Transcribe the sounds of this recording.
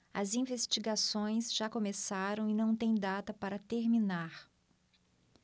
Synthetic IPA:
ɐ̰zĩvest͡ʃiɡasõj̃sʒakomesaɾɐ̃w̃ɪnɐ̃w̃t̪ẽj̃d̪at̪ɐpaɾɐt̪eɾminaɾ

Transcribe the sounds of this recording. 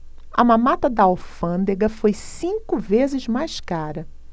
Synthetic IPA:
ɐmãmat̪ɐd̪ɐowfɐ̃nd̪eɡɐfojsĩkʊvezɪzmajskaɾɐ

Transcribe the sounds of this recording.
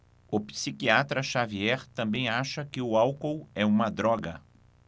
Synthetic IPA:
ʊpsikiat̪ɾɐʃaviɛɾt̪ɐ̃mbẽj̃aʃɐkɪʊawkowɛũmɐd̪ɾɔɡɐ

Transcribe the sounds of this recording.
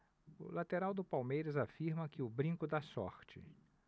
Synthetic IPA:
ʊlat̪eɾawd̪ʊpawmejɾɐzafiɾmɐkɪʊbɾĩŋkʊd̪asɔ̰ɾt͡ʃɪ̰

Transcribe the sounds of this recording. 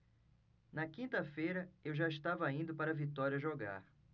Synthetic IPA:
nɐkĩnt̪ɐfejɾɐewʒaiʃt̪avɐĩd̪ʊpaɾɐvit̪ɔɾiɐʒoɡa̰ɾ

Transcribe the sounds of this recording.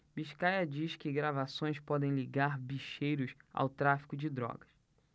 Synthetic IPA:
biʃkajɐd͡ʒiʃkɪɡɾavasõj̃spɔd̪ẽj̃liɡaɾbiʃejɾʊsa̰wt̪ɾafi̥kʊd͡ʒɪd̪ɾɔ̰ɡɐs

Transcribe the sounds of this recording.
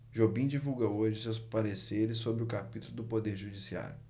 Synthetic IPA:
ʒobĩd͡ʒivuwɡɐoʒɪsewspaɾeseɾɪsːobɾɪʊkapit̪ulʊd̪ʊpod̪eɾʒud͡ʒisia̰ɾjʊ

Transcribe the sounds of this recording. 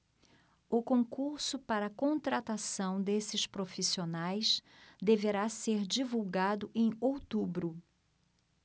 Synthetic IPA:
ʊkõkuɾsʊpaɾɐːkõt̪ɾat̪asɐ̃w̃d̪esɪspɾofisionajsd̪eveɾaseɾd͡ʒivuwɡad̪ʊʔẽj̃owt̪ubɾʊ

